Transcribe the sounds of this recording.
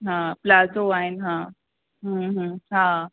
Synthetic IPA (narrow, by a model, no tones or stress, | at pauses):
ɦãplad͡zoainɦã | ɦə̃ɦə̃ɦã